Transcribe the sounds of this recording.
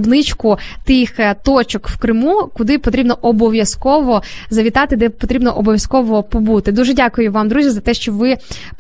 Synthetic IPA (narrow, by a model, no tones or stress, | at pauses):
bnɪt͡ʃkʊt̪ɪxt̪ɔt͡ʃɔkwkɾɪmukʊd̪ɪpɔt̪ɾʲibnɔʔɔbɔʋʲjɐskɔʋɔzɐʋʲit̪ɑt̪ɪd̪ɛpɔt̪ɾʲibnɔʔɔbɔʋjɐskɔʋɔpɔbut̪ɪd̪uʒɛdʲɑkʊjʊʋɑmd̪ɾuzʲjizɐt̪ɛʃt͡ʃɔʋɪ